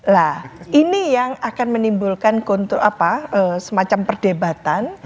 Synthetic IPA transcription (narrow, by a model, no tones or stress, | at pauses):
lahʔinijaŋakanmənimbulkankont̪ɾoapaəsəmat͡ʃampərdebat̪an